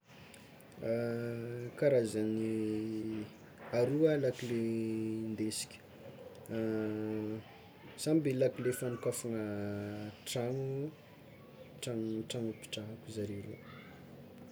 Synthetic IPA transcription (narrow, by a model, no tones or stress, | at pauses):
kaɾazani | aɾualakilend̪esi̥kʲə̥ | sambilakilefanukafunə | ʈ͡ʂaŋu | ʈ͡ʂaŋʈ͡ʂaŋupi̥ʈ͡ʂaɦakuzaɾeɾḛ